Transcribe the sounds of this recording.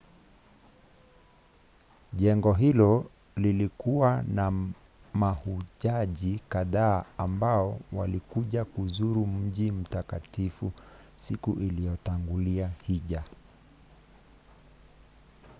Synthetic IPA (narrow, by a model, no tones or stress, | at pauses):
ʄɛŋɡɔɦilɔ | lilikuwana | mahuʄaʄikaðaːmbaɔwalikuʄakuzuɾum̩ʄim̩takatifusikuʔilijɔtaŋɡuliahiʄa